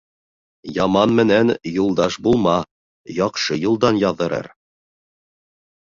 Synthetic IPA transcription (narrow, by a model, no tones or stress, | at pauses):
jɑmɑnmɘ̆nænjulˠd̪ɑʃbulˠmɑ | jɒqʃɤjulˠd̪ɑnjɑðːɤ̆ɾɤ̰ɾ